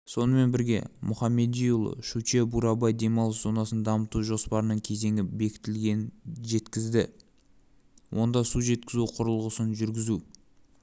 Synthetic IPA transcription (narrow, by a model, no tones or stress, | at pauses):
so̞nəme̞nbɪɾɡʲe̞̰mʊχɑmːe̞d̪ijul̰ˠʃut͡ʃebuɾɑbɑjd̪e̞mɑlˠəszo̞nɑsənd̪ɑmət̪uʒo̞spɑɾənəɴkʲʰe̞ze̞ŋʲɡʲɪbe̞kʲɪ̥t̪ɪlɡʲenʒe̞t̪kʲɪzd̪ɪ | wʔo̞nd̪ɑsuʒe̞t̪̚kʲɪzuqʰʊɾəlˠʁəsənʒʏɾɡʲɪzu